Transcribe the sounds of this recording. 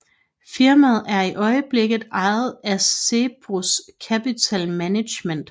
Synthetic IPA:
fiɐ̰mæð̞̩ˠæɐiʔɒ̽ɪəb̥le̝ɡ̥ð̩ˠɑ̈ɪð̩ˠæsːe̝b̥ʁuskʰæpit͡sʰælmæne̥ɕmen̰d̥

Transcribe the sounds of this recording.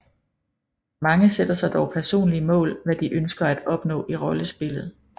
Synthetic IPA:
mɑ̈ŋəsed̥ɐsɑ̈ɪd̥ɒʊpʰæɐso̝̰ːnliəmɔ̰̽ːlʋæd̥iʔønsɡ̥ɐæd̥ɒ̽b̥nɔ̰̽ːʔiʁɒ̽ləsb̥e̝lð̞̩ˠ

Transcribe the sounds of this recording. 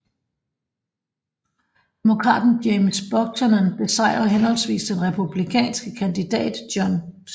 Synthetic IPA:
d̥e̝mo̝kʰʁɑ̰̈ːd̥n̩d̥emsb̥ɒ̽ɡ̥̚t͡sʰɒnɐnb̥e̝sɑ̈ɪ̰ʁɐɦenhɒ̽l̰sʋḭːsd̥enʁɛpʰub̥likʰɛ̰ːnsɡ̥əkʰænd̥id̥ɛ̰ːd̥d̥jɒns

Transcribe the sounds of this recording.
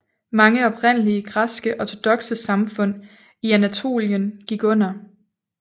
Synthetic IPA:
mɑ̈ŋəɒ̽b̥ʁen̰əliəɡ̥ʁasɡ̥əʔɒt͡sʰo̝d̥ɒ̽ɡ̥səsɑ̈mfɔ̽n̰ | iænæt͡sʰo̝̰ːljənɡ̥iɡ̥ɔ̽n̰ɐ

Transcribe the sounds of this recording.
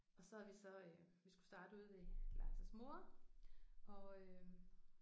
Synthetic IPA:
ɒ̽sɒ̽æɐʋisɒ̽ø | ʋisɡ̥u̥sd̥ɑ̈ːd̥əuð̰ˠʋe̝lɑ̈ːsæsmo̝ɐ | ɒ̽ø

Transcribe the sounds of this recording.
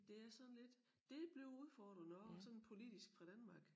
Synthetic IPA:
d̥e̝æɐsɒ̽nle̝d̥ | d̥e̝b̥le̝ʊuð̞ˠfɒːd̥ʁɐnɒsɒ̽npʰo̝lid̥isɡ̥fʁɑ̈d̥ænmɑ̈ːɡ̥

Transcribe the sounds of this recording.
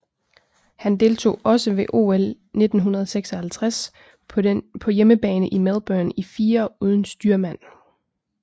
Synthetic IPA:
hænd̥e̝ːlt͡sʰo̝̰ːɒ̽səʋe̝ʔo̝̰ːel | ne̝d̥n̩ɦunɐð̞ˠɐseɡ̥sɒhælt͡sʰʁas | pʰɒ̽jeməb̥ɛːnəʔimeð̞ˠb̥ɶɐnifiːɐuːð̞ˠn̩sd̥yːɐmæn̰

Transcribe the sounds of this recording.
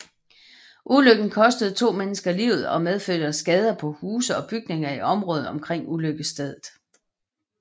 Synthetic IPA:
ʔuløɡ̥n̩kʰɒ̽sd̥əð̞̩ˠt͡sʰo̝̰ːmenəsɡ̥ɐlḭːʊð̩ˠɒ̽með̞ˠfø̥ɐsɡ̥ɛð̞ˠɐpʰɒ̽huːsəɒ̽b̥yɡ̥ne̝ŋɐiʔɒ̽mʁɔ̽ːð̩ˠɒ̽mkʰʁeŋ̰uløɡ̥əsd̥eð̞ˠð̩ˠ

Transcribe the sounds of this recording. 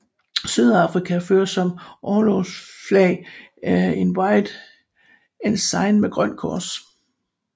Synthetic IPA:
syð̞ˠɑ̈fʁikʰæføːɐsɒ̽mʔɒːloːsflɛ̰ɪ | e̝nwɑ̈ɪd̥ | ensɑ̈ɪnmeɡ̥ʁɶn̰kʰɒ̰ːs

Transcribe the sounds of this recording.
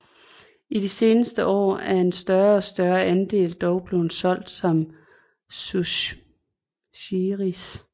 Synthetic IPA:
id̥ise̝ːnəsd̥əʔɒ̰ːæɐe̝nsd̥ɶɐɒ̽sd̥ɶɐʔænd̥e̝̰ːld̥ɒʊb̥le̝ʊhnsɒ̽l̰d̥sɒ̽m | su | iʁis

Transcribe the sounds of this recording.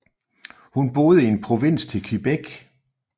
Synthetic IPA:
hunb̥o̝ːð̞̩ˠəie̝npʰʁo̝ʋen̰st͡sʰe̝lkʰeb̥eɡ̥

